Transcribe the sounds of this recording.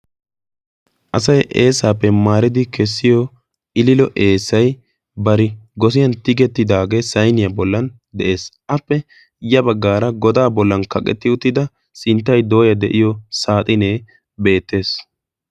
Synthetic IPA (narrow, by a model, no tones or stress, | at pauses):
ʔɐsɐjʔeːsaːpːɛmaːɾɪd̪ɪkɛsːɪjɔ | ʔɪlɪlɔʔe̞ːsːɐj | bɐɾɪɡɔs̬ɪjɐnt̪ɪɡɛt̪ːɪd̪aːɡe̞ːsɐjnɪjɐbɔlːɐn | d̪ɛʔe̞ːsʔɐpːɛ | jɐbɐɡːaːɾɐɡɔd̪aːbɔlːɐnkɐkʼɛ̰t̪ːɪʊt̪ːɪd̪ɐ | sɪnt̪ːɐjd̪o̞ːjɐd̪ɛʔɪjɔsaːt̪ʼɪne̞ː | be̞ːt̪ːe̞ːs